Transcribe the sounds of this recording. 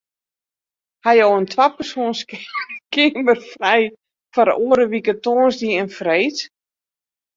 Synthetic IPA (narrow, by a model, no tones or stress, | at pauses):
hajowəntʰwapərsoənskɪmərfrɛj | faɾoəɾəʋikətoːnsdiənfrejt